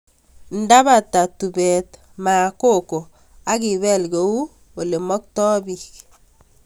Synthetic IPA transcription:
n̩˦da˦βa˨ta˨tu˨bɛ˨t | ma˨ko˦˨ko˨ | a˦ki˨βɛ˦lɡo˨u˦ | o˨le˨mɔ˦k̚tɔ˦bik

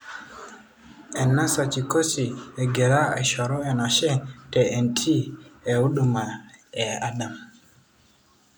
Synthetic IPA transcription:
ɛ˨nːa˦sa˨t͡ʃi˨ko˦si˨e˨ɡe˨ɾa˦a̰˨ʃɔ˨ɾo˦ɛ˨na˨ʃɛ˦tɛ˨e˨ntʰi˦e˨u˦ɗu˨ma˨ɛ˨a˦ɗa˨m

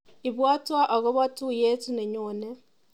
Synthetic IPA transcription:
i˨βwaː˦twa˦ʔa˨ɣo˦βa˦tu˦je˦tu˦ne˨ɲoː˨ne˦

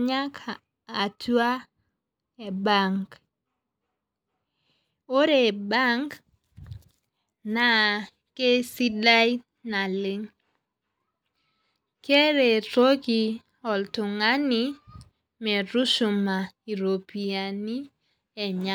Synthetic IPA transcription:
ɲa˦kʰaː˨ | tu˦a˦ | e˨ba˦˨ŋɡ | o˦ɾe˨ba˦ŋɡ | na˨ | ke˦si˦da˦j | na˨lɪ˦ŋ | ke˦ɾe˨to˦ɡi˨ | ɔ˨ltʊ˨ŋa˦ni˦ | mɛ˨ɾu˦ʃʊ˨ma˨i˨ɾo˨pi˨a˨ni˦ | ɛ˨ɲa

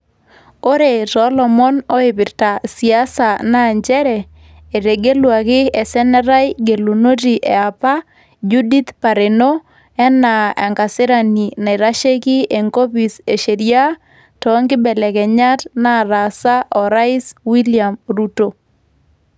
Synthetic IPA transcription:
o˦ɾe˨sɔlɔ˨mɔ˦nɔ˦ɪ˨pɪ˨ɾta˨si˨a˦sa˨na˦˨ɲd͡ʒɛ˦ɾɛ˨ | e˨ɾe˨ɡe˦lwa˨kɪ˦ɛ˨sɛ˦nɛ˦ɾa˦jɡe˨lo˨no˦ti˨ʔe˨a˨pa˦ | d͡ʒu˦di˦t̪pa˨ɾe˨no˦ | ɛ˦na˨ɛ̰˨ŋka˨sɪ˦ɾa˨ni˨na˨i˨ɾa˦ʃe˦ki˦e˨ŋɡo˦pi˨se˨ʃe˨ɾja˦ | tɔ˦ŋɡɪ˦bɛ˨lɛ˨kɛ˨ɲa˦tna˦ɾa˨sa˦ʔɔ˨ɾa˦ɪ˦swi˦lia˨mɾuto˨

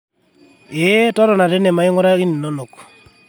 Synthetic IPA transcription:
e˦tɔ˦ɾɔ˨na˨ɾe˦ne˨ma˨˦i˦ŋo˦ɾa˦ɣi˦ni˨no˦no˨k

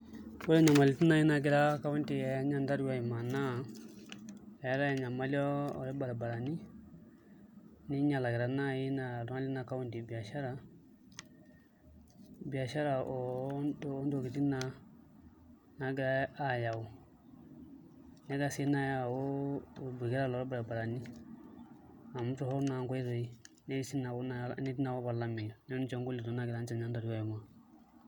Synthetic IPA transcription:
wo˦ɾɛ˦ɲa˨ma˨li˨ti˦na˦ji˦na˨ɡɪ˦ɾa˦ka˦wu˦nti˨ɛ˨˦ɲa˨nda˦ɾja˨i˨ma˨na˦˨ | ɛ˨˦ɾa˦jɲa˨ma˦li˦ɔ˦ɔ̰˨ɾɛ˦ba˨ɾa˨ba˨ɾa˨ni˦ | ni˦ɲa˨la˨ɡɪ˨ɾa˨na˦ji˦na˨ɾŋa˦li˦na˨ka˦wu˦nti˨bi˨a˨ʃa˦ɾa˨ | bi˨a˨ʃa˦ɾa˨ɔ˨˦dːndo˨ɡi˨ti˦na˨ | na˨ɡɾa˦a˨ja˨wu˦ | nɛ˦ɡa˦si˦na˦ja˦˨wo˦˨bɡi˦ɾa˦lɔ˨ɾa˦bɾa˨ba˨ɾa˨ni˦ | a˨mu˦tu˦hɔ˦ɾna˨ŋɡɔ˦i˦ɾo˨i˦ | ne˦si˦na˨wn˦ne˦ti˦na˨˦wo˦ba˨la˦mi˨nɛ˦n˦t͡ʃo˨ŋɡu˦li˨du˨˦na˦ɡɪɾa˦nt͡ʃa˨na˦da˨ɾi˦a˦jma˨

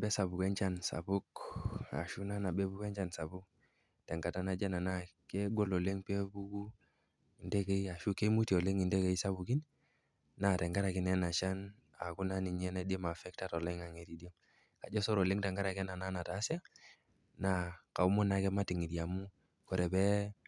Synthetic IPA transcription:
bɛ˦sa˨bu˨kɛ˦ɲt͡ʃa˦nsa̰˨bu˦ka̰˨ʃu˦na˦na˨bɛ˦bu˦kɛ˦ɲt͡ʃa˦nsa˨bu˦k̚ | tɛ˨ŋɡa˨ta˦na˦d͡ʒɛ˦na˨na˦kɛ˦ɡɔ˦lo˨le˦ŋpe˦bu˦ɡu˦ | i˨nde˦ke˦i˦a˨ʃu˦ke˦mu˦ti˨o˨le˦ŋi˨ndɛ˦ke˨isa˦bu˨ki˦n | na˨tɛ˨ŋɡa˦ɾa˨ki˨nɛ˦na˨t͡ʃa˦n | a̰˨ku˦na˦ni˨ɲɛ˦na˦de˦ma˨fɛ˦k̚ta˦˨tɔ˨le˦ŋa˨ŋe˨ɾi˨di˦o˦ | ka˨d͡ʒɔ˦sɔ˦ɾo˨le˦ŋtɛ˨ŋɡa˦ɾa˨kɛ˦na˨na˦na˨ta˨˦si˦a˦ | na˨ka˨u˦mɔ˦na˨˦kɛ˦ma˦ti˨ŋi˨dja˨mu˦ | kɔ˨ɾɛ˨bɛ˦

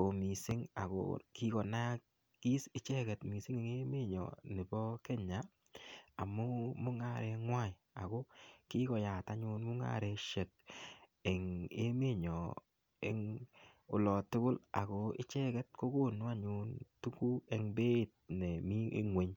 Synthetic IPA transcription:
o˨mi˨sɪ˦ŋa̰˨ko̰˦ki˦kɔ˨na˦k̚ | ki˦sɪ˦t͡ʃɛ˦kɛ˨tmi˨sɪ˦ŋe˨ŋe˦me˦ɲɔ̰˨nɪ˨bɔ˦ke˦ɲa˨ | a˨mʊ˦mʊ˦ŋa˦˨ɾɛ˧ŋwa˦˨ | a̰˨ko˦ki˦kɔ˨ja˨ta˦ɲu˦nmu˦ŋa̰˦ɾɛ˧ʃɛ˨k̚ | e˨ŋe˦me˦ɲɔ˨ | e˦ŋ | ʊ˨lɔ˨tʊ˦kʊ˦la̰˨ko˦ɪ˦t͡ʃɛ˦kɛ˦t̚ko˦ko˦˨nu˦a˦ɲu˦ntu˦ku˦e˨ŋbe˦˨t̚nɛ˨mḭ˦ŋwe˨˦ɲ

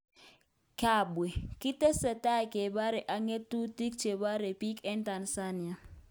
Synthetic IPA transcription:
ka˨bwe˨ki˦tɛ˦sɛ˨ta˦˨ke˨ba˦ɾɛ˨ʔa˨ŋe˦tu˦ti˦k̚t͡ʃe˨ba˦ɾe˨pi˦kɛ˦nta˨nsa˦ni˨a˨

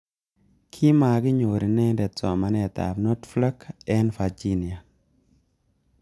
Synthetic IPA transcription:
kʰi˦ma˨ɡɪ˦ɲo˨ɾi˨nɛ˦ndɛ˨t͡sɔ˨ma˨nɛ˨t̪a̰˨bnɔ˦tfla˦kɛ˦nfa˨d͡ʒi˦ni˨a˨

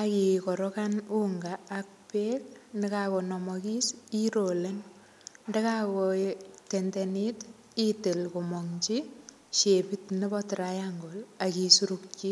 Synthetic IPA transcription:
aki˨kɔ˨ɾɔkanu˦ŋɡaːk̚peː˦kne˦kako˨nɔ˨mɔki˦siɾo˨len | nde˦kakote˨ndenit | i˦te˨lkomɔŋt͡ʃi | ʃe˨pitne˦bɔtɾajaŋɡo˨la˨ki˨su˦ɾuk̚t͡ʃi˦

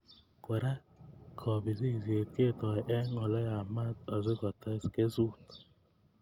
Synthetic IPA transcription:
ko˨ɾa˦ | kʰɔ˨bi˨zi˦˨zje˨ke˦˨tɔ˨ʔɛ˦ŋɔ˨lɔ˦ja˨ma˦tɔ˨zɪ˦kɔ˨ta˦ske˦zu˦t

